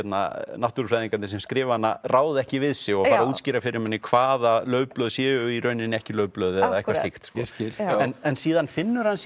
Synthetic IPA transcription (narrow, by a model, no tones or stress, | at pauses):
ɛt̪na̰naht̪uɾʏfɾajðiŋkanɪsɛmskɾɪːvanːa̰rʔaːwðɪɛhcɪvɪðsɪɣɔɣaːɾauːt̪scɪːɾafɪɾɪɾmɛnːɪkʰv̥aːðalœːɥplœːðsjɛːʏiɾœːɥnɪnːɛhcɪlœːɥplœːðɛðaɛhkvast̪ɪxt̪skɔlɛnɛnsiːðanfɪnːʏɾ̥hans